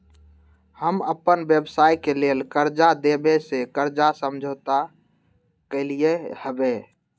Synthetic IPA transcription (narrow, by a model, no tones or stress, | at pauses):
həməpːənbebsaːjkelelkəɾd͡ʒad̪ebesekəɾd͡ʒasəmd͡ʒʱət̪a | keliehəbe